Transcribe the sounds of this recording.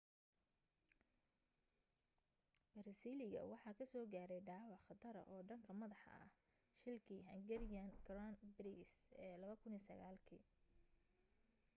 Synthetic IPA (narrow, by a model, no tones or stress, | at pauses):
b̥ɐɾɐsiːlɪɣɐ̰wɑħɑːkʰɐsɔːɡaːɾɛjɖɑːwɑʕχɐt̪ʰɐɾɐ̰ʔɔːɖɐŋkʰɐmɐðɑħɑ̰ɐ̰h | ʃɪlkʰiːɦɐŋɡɛɾɪjankɾanbɾisɛːlɐβɐkʰʊniːsɐɣaːlkʰḭː